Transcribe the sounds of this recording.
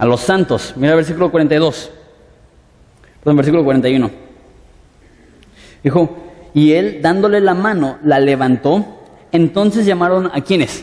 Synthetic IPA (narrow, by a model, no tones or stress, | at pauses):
alo̞sːant̪o̞smiɾalβeɾs̬ikulokwaɾent̪ajðo̞s | ɾðombeɾsikulo̞kwaɾent̪ajuno̞ | d̪ixo̞ie̞ld̪and̪o̞le̞lamãno̞lale̞βant̪o̞ | ent̪o̞nse̞zʝamaɾo̞nakje̞ne̞s